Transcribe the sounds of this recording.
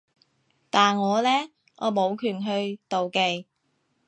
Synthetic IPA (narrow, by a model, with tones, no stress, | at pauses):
t̪aː˨nŋɔː˨˧lɛː˥ | ʔɔ̰ː˨˧mo˨˧wkʰyː˨˩nɦɵ˧ɥt̪o˨wke˨˧j